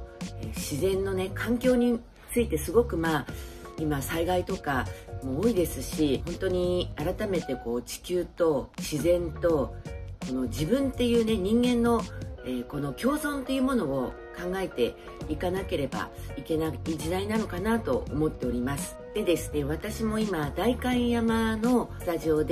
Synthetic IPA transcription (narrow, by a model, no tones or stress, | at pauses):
eɕizẽ̞nːo̞ne̞kʰãŋkʲo̞ːɲ̟i | t͡sɨit̪e̞sɨɡo̞kɯ̟maimasaiɡait̪o̞kamo̞ːid̪e̞sɨɕihõ̞nt̪o̞ɲ̟iaɾat̪ame̞t̪e̞ko̞ːt͡ɕi̥kʲɨːt̪o̞ɕizẽ̞nt̪o̞ko̞no̞d͡ʑibɯ̟̃nt̪e̞jɯ̟ːne̞ɲ̟ĩŋɡẽ̞nːo̞eːko̞no̞kʲo̞ːzõ̞nt̪e̞jɯ̟ːmo̞no̞ː | kãŋɡae̞t̪e̞ | ikanake̞ɾe̞ba̰ike̞naid͡ʑid̪ainano̞kanat̪o̞̰omo̞t̪ːe̞o̞ɾʲimasɨ̥d̪e̞d̪e̞sɨne̞β̞at̪aɕimo̞imad̪aikãĩjamano̞st̪aʑio̞d̪e